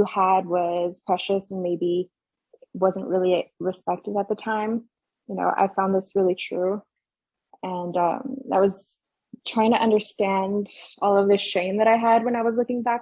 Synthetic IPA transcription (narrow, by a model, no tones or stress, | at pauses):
ɨəd̚wʌz̥pʰɹ̥ɛʃɨsn̩meɪbi | wʌzə̃nʔɹɪlˠiɹɨspɛk̚tɨvɨt̪̚ðɨtʰãɪ̃m | jɨno̰ʊʔa̰ɪfãʊ̃nðɪsɹɪlˠitʰɹ̥ʉ | ɨ̃nʌ̰̃maɪwʌz̥ | tʰɹ̥aɪɪ̃ŋtʰɨʔʌ̃ndə˞stæ̃ndɔlˠʌvðɨʃẽɪ̃mðɨɾaɪəd̚wə̃ñaɪwʌzlʊkɪ̃ŋbæk̚